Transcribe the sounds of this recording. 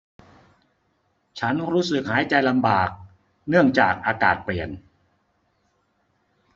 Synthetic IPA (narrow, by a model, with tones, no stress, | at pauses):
t͡ɕʰa˦˥nɾuː˦˥sɯ˨˩k̚haː˩˦jt͡ɕa˧jla˧mbaː˨˩k̚ | nɯ˥˩əŋt͡ɕaː˨˩k̚ʔaː˧kaː˨˩t̪̚pli˨˩ən